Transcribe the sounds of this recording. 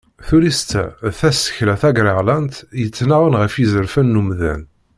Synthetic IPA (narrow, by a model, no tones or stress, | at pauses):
θuɾist̪æ̰θæsə̥çlæθæɡɾəʁlænt̪jət͡sːnaʁənʁəfizəɾfænːumðæ̰n